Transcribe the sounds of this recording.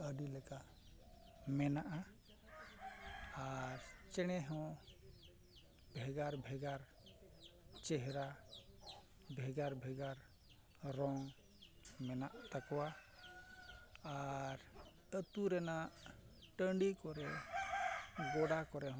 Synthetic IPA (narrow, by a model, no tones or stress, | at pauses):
əɖilɛka | mɛnaʔa | aɾt͡ʃɛɽ̃ɛɦɔ̃ | bʱɛɡaɾbʱɛɡaɾ | t͡ʃɛɦɛɾa | bʱɛɡaɾbʱɛɡaɾ | ɾɔŋ | mɛnaʔt̪akɔwa | aːɾt̪ət̪uɾɛna | ʈəɳɖikɔɾɛ | ɡɔɽakɔɾɛɦɔ̃